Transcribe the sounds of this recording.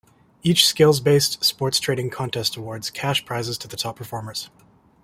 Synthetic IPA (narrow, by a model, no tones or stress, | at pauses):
it͡ʃskeɪlˠzbeɪstspɔɹtstʰɹ̥eɪɾɪ̃ŋkʰɑ̃ntʰɛstəwɔɹdz̥kʰæʃpʰɹ̥aɪzɨz̥tʰɨðɨtʰɑpʰə˞fɔɹmə˞z̥